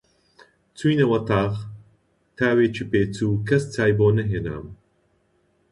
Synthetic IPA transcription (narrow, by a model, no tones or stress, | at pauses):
t͡sʰujnɐwɐt̪ʰaːɣ | t̪ʰaːweːt͡ʃʰipeːt͡sʰuːkʰɐst͡sʰaːjboːnɐɦeːna̰ːm